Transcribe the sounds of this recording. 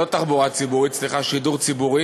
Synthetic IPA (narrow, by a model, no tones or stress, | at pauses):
o̞t̪aχbuʁat͡sibuʁit͡sliχaʃiduʁt͡sibuʁi